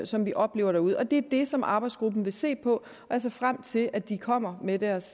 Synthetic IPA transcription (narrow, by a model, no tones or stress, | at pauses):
sɒ̽mʋiʔɒ̽b̥le̝̰ːʊ̰ɐɾæuð̞ˠɒ̽d̥e̝æɐd̥e̝sɒ̽mʔɑ̈ːb̥ɑ̈ɪdsɡ̥ʁub̥n̩ʋe̝se̝̰ːpʰɒ̽ | æls̬ɐfʁam̰t͡sʰe̝lʔæd̥ikʰɒ̽m̰ɐmed̥æɐs